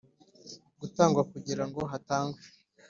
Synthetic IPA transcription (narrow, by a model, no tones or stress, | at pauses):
ɡutaːŋɡwakuɟiɾaŋɡo̞ɦataːŋɡwe